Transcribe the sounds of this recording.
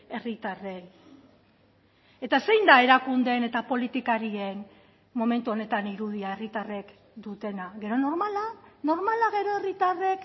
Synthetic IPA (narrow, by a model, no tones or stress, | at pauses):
e̞rit̪are̞j | e̞t̪ase̞jnd̪ae̞ɾakund̪e̞ne̞t̪apo̞lit̪ikaɾie̞n | mo̞me̞nt̪uo̞ne̞t̪aniɾuð̞iae̞rit̪are̞k | d̪ut̪e̞naɣe̞ɾo̞no̞ɾmalano̞ɾmalaɣe̞ɾo̞e̞rit̪are̞k